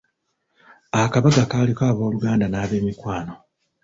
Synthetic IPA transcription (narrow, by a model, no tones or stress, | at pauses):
akaβaɡakalikaːβo̞ːluɡaːndanaːβe̞ːmikwaːno̞